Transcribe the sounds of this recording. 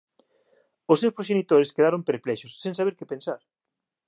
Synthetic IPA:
ʊsːewspɾoʃenit̪oɾɪskeðaɾompeɾplɛʃʊsːẽŋsaβeɾkɪpensaɾ

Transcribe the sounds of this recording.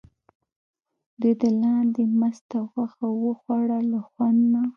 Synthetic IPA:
d̪əd̪əlɑnd̪emast̪axaxawəxwaɽalaxwand̪na

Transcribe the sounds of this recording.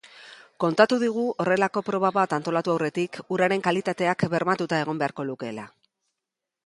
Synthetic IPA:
ko̞nt̪at̪uðiɣ̞uʔo̞re̞lako̞pɾo̞βaβat̪ant̪o̞lat̪uawre̞t̪ikuɾaɾe̞ŋkalit̪at̪e̞akbe̞ɾmat̪ut̪ae̞ɣ̞o̞mbe̞aɾko̞luke̞la

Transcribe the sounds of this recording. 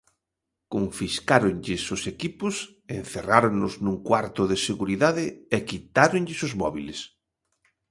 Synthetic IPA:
koɱfiskaɾonʎɪsʊsekipʊs | ḛnθeraɾoŋnʊznũŋkwaɾt̪ʊðɪseɣuɾiðaðɪekit̪aɾoŋʎɪsʊzmɔ̰βḭlḛs

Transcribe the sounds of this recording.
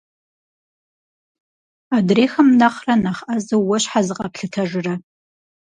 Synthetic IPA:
adreːxɐmnɐχrɐnaχʔɐzɐwwɐɕħazɨqʼɐpɬɨtʰɐʒɪrɐ

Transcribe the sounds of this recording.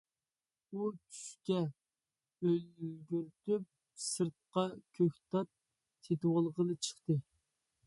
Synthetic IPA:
ut͡ʃʰy̥ʃkʲɛ | øllɡʲyɾt̪yp̚ | sɨɾt̪̚qɑkʲʰøkʲt̪ʰɑt̪̚ːʰ | et̪wɑlˠəʁənɨt͡ʃʰə̥χt̪ɨ

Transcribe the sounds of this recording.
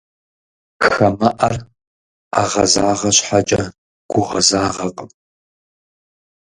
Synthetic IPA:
xɐmɐʔɐr | aʁɐzaːʁɐɕħat͡ʃʼɐ | ɡ̥ʷʊʁɐzaːʁɐqʼəm

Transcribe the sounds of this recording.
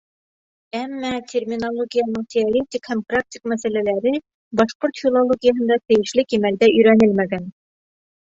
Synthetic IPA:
æmːæt̪ʲʰermʲinolˠoɡʲijɑnɤɴt̪ʲeoɾʲet̪ʲikhæmprak̚tʲik̚mæsælælæɾɘ | bɑʃpurt̪fʲilˠolˠoɡʲijaɦɤ̆nd̪ɑt̪ɘ̆jɘ̆ʃlɘkimæld̪æʔɵ̆jɾænɘlmæɡæn

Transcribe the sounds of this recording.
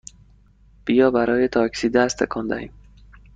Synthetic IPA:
b̥ijɒːbæɾɒːjet̪ʰɒːcsiːd̪æst̪ʰḛkʰɒnd̪æ̰hiːm

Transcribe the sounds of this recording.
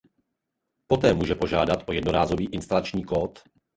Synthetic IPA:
po̞t̪ɛːmuːʒɛpo̞ʒaːdat̪ʔo̞jɛdnoɾaːzo̞viːʔɪnst̪alat͡ʃɲiːkoːt̪

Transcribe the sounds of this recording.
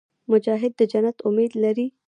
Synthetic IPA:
mʊd͡ʒɑɦɪd̪ːəd͡ʒanat̪ʊmed̪laɾi

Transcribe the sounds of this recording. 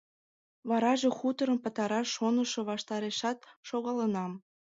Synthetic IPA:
βɑɾɑʒexut̪əɾəmpə̆t̪ɑɾɑʃːonə̆ʃŏβɑʃt̪ɑɾeʃɑt̪̚ʃoɣɑlənɑm

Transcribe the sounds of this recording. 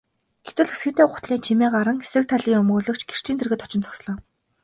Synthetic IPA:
ɡ̥et̪ɘ̆ɮesɡɘ̆t̪eːɢʊt̪ɮiːt͡ɕʰimeːɢaɾə̆ŋesrɘ̆k̚t̪ʰaɮiːŋɵmɣɵːɮɵ̆kt͡ɕɡer̥t͡ɕiːnt̪ʰerɣĕt̪ɔ̥t͡ɕɪ̆nt͡sʰɔ̥ksɮɔː

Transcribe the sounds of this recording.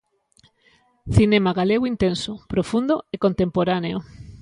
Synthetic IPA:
θinemaɣaleɣoint̪ensʊpɾofund̪oekont̪empoɾaneo

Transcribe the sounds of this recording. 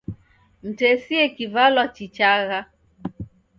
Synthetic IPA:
m̩tɛsiɛkivalwat͡ʃit͡ʃaɣa

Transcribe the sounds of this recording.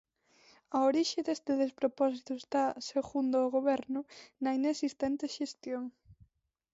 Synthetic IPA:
ɐoɾiʃɪðest̪ɪðespɾopɔs̬it̪ʊest̪aseɣund̪ooɣoβɛɾnʊnɐinesist̪ɛnt̪eʃest̪joŋ

